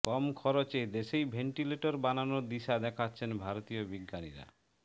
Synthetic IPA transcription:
kɔmkʰɔɾot͡ɕed̪eʃejbʱeɳʈileʈoɾbananod̪iʃad̪ɛkʰatːɕʰenbʱaɾot̪ijobiɡːanḭɾa̰

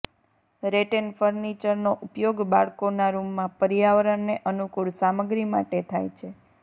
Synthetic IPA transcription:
ɾeʈenfəɾnit͡ʃəɾnoʔupjoɡbaɭkonaɾumːãpəɾijaʋɾənːeʔənukuɭsaməɡɾima̰ʈet̪ʰajt͡ʃʰe

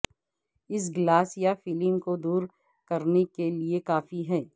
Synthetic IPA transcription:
ɪs̬ɡlaːsijafiːlɪmkod̪uːɾ | kɐɾnekeliekaːfiɦɛː

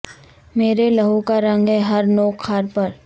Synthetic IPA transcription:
meːɾelɐɦõkaɾɐ̃ŋɡɦɛɦɐɾnoːxʰaːɾpɐɾ

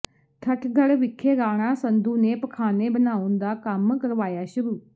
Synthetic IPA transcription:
t̪ʰəʈʰɡʱəɽʋɪkʰːeːɡaːɽ̃ãːsənd̪ũːneːpəkʰaːneːbənaːʊnd̪aːkəmkəɾʋaːjaːʃʊɾuː

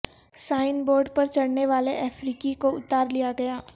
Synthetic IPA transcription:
saːɪnboːɾɖpɐɾt͡ʃɐɽneʋaːleʔɛːfɾiːkikoʊt̪aːɾlijaɡɐjaː

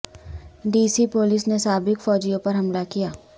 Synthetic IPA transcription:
ɖiːsipoːlɪsnesaːbɪkfɔːd͡ʒijõpɐɾɦɐmlakijaː

